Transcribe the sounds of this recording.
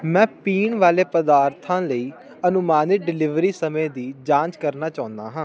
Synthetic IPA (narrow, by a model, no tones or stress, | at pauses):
mɛ̃ːpiːɳʋaːleːpəd̪aːɾt̪ʰãːləiː | ənʊmaːnɪk̚ɖɪlɪʋɾiːsəmẽːd̪iːd͡ʒãːt͡ʃkəɾnaːt͡ʃaːʊ̃nd̪a̰ːɦãː